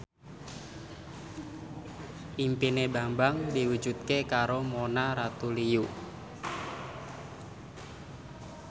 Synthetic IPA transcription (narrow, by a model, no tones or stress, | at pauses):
ʔimpinebambaŋdiwud̥d͡ʒ̥ṳt̪̚kekaɾomonaɾat̪uliju